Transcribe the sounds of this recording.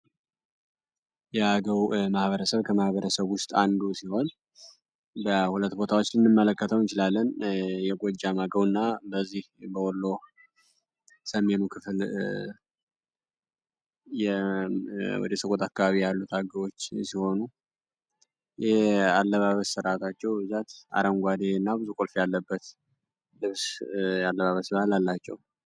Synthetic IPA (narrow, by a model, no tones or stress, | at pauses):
jɛaɡəwmahβəɾəsəβkʰəmahβəɾəsəβwʊst̪ʼand̪usiho̞n | bəhulət̪ːbo̞t̪ʰawot͡ʃːlɨnːɨmːələkːət̪ʰəwnt͡ʃɪlalːənjɛɡʷod͡ʒːamaɡəwɨnːabəzːihbəwɔlːo̞ | səme̞nukʰɨfl | jɛ | wɔ̰d̪əsəkʼot̪ʰakːaβaβijalːut̪ʰaɡəɾo̞t͡ʃːsiho̞nu | jɛalːəβaβəsːɨɾat̪ʰat͡ʃːɛwbɨzat̪a̰ɾəŋɡʷad̪eɨnːabɨzukʼolfjalːəbːət̪ | lɨβsjalːəβaβəsbahalalːat͡ʃːɛ̰w